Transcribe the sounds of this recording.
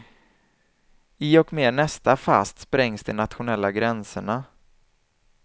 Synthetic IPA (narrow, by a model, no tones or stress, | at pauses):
iɔkmeːnɛst̪afa̰st̪spɾɛŋsd̪ɛnat̪ɧʊnɛlːaɡɾɛnsəɳa